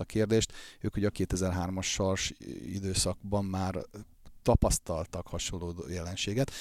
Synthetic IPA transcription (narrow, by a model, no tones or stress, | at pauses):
ɒkeːrd̪eːʃt̪øːkhoɟɒkeːt̪ɛzɛrɦaːrmɒʃːɒrʃḭd̪øːsɒɡ̚bɒmːaːr | t̪ɒpɒst̪ɒlt̪ɒkhɒʃolːoːd̪o̰ːjɛlɛnʃeːɡɛt̪